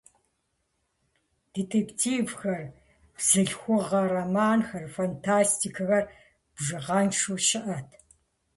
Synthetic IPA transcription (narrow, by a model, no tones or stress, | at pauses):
d̥etʰeːktʰiːvxɐr | b̥z̥ɨɬxʷʊʁɐɾɐmaːnxɐrfantʰaːstʰikʰɨɣɐr | b̥ʐɨʁɑːnʂuʃɪʔɐtʰ